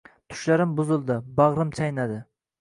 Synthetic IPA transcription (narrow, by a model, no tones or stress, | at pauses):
t̪ʰʊ̥ʃlaɾɪmbʊzɪlˠd̪ɪbɑʁɾɪmt͡ʃʰajnad̪ɪ